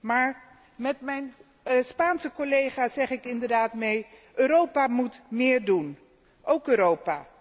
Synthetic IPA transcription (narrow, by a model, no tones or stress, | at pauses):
maːɹ | mɛtmɛjn | spaːnsəkolejχaːsɛχɪkɪndəɹdaːtmejʔøːɾowpamutmɪːɹdun | ʔowkøːɾowpa̰ː